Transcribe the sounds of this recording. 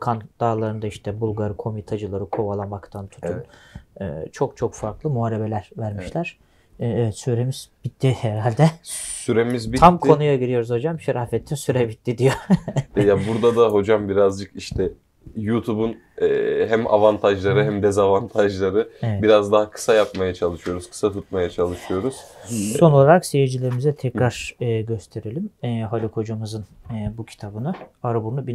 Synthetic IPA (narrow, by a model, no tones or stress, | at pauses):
kʰand̪̥aːlˠaɾɯnd̪aiʃt̪ʰɛbulˠɡaɾɯkʰo̞mit̪ʰad͡ʒɯlˠaɾɯkʰo̞valˠamakt̪ʰant̪ʰu̥t̪ʰunɯ̰ːt͡ʃʰo̞k̚t͡ʃʰo̞kfaɾklˠɯmuaɾebelʲæɾvæɾmiʃlʲæɾ̥ | ɛvɛt̪syɾemiz̥bit̪ʰːihɛɾalʲd̪ɛsyɾemizbiamkʰo̞nujaɟiɾijo̞ɾuzho̞d͡ʒamʃɛɾafɛt̪ʰːinsyɾɛbit̪ʰːid̪ijojabuɾd̪ad̪aɦo̞d͡ʒambiɾazd͡ʒɯkiʃt̪ʰɛ | jut̪ʰubun | ɛːɦæmʔa̰vant̪ʰaʒlˠaɾɯɦæmd̪ɛzavant̪ʰaʒlˠaɾɯɛɛbiɾazd̪aɦakʰɯ̥sajapmajat͡ʃʰalˠɯʃɯjo̞ɾuz̥kʰɯ̥sat̪ʰut̪̚majat͡ʃʰalˠɯʃɯjo̞ɾuz̥so̞nolˠaɾaksejed͡ʒilʲeɾimizɛt̪ʰɛkɾaɾ̥ɯːɟø̞st̪ʰe̞ɾelʲimːɦalʲikʰo̞d͡ʒumɯzɯnɯbucʰi̥t̪ʰabɯnɯaɾabunubi